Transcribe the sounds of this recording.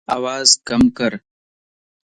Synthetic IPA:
a̰wɑːzkamkəɾ

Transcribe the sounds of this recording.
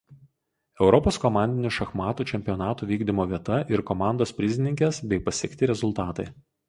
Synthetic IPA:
ɛʊɾɔpoːskɔmɑˑnʲd̪ʲɪnʲʊʃɐxmɑːt̪uːt͡ʃʲɛmʲpʲiɔnɑːt̪uːʋʲiːɡd̪ʲɪmoːʋʲiɛt̪ɐʔɪɾkɔmɑˑnd̪oːspʲɾʲɪzʲɪnʲɪŋʲkʲɛsbʲɛɪpɐsʲiɛkʲt̪ʲɪɾʲɛzʊlˠt̪ɑːt̪ɐɪ

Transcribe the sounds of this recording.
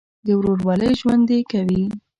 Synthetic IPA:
d̪əwɾoɾwɑləjʒwand̪ekawi

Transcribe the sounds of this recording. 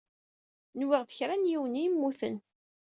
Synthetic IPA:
nwɪʁðə̥çɾanjiwnimːuθə̰n

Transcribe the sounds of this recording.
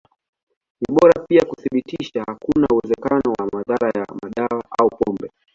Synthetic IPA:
niɓɔɾapiakuθiɓitiʃahakunauwɛzɛkanɔwamaðaɾajamaɗawaʔaupɔmbɛ

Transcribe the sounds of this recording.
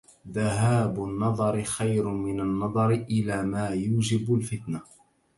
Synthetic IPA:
ðaɦaːbʊnːɑðˤɑɾɪxajɾʊmɪnanːɑðˤɑɾʔɪlaːmaːjuːd͡ʒɪbʊlfɪt̪na

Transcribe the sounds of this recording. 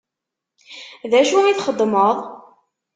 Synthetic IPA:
ðæʃuiθχəd̪ˤːməðˤ

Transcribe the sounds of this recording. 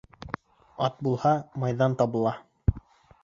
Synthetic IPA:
ɑt̪̚bulˠhɑmɑjðɑnt̪ɑβɤ̆lˠɑ

